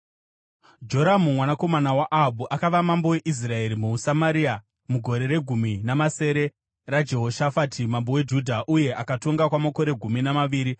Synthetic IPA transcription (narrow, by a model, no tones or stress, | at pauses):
d͡ʒo̞ɾamumwanako̞manawaʔaɦabʱuʔakaʋamambo̞we̞ʔis̬rae̞ɾimusamaɾia | muɡʱo̞ɾe̞ɾe̞ɡʱuminamase̞ːɾe̞ | rad͡ʒe̞ɦo̞ʃafatʰimambo̞we̞d͡ʒudʱaʔuje̞ʔakato̞ŋɡakwamako̞ɾe̞ɡʱuminamaʋiːɾi